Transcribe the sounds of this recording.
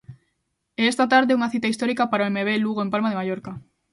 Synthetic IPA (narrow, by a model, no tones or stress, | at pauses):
eest̪at̪aɾðeuŋaθit̪aist̪oɾikapaɾaoemeβ̞eluɣoempalmaðemajoɾka